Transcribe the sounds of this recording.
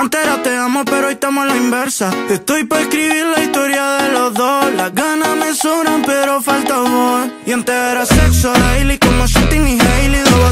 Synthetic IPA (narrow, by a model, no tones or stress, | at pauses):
ant̪eɾat̪eamopeɾoojt̪amolaimbeɾsaet̪ojpoehkɾiβiɾlaist̪oɾjaðeloðolaɣanamesuɾapeɾofalt̪aβoiant̪eɾaseksoðailikomoʃent̪iŋiɾailiðo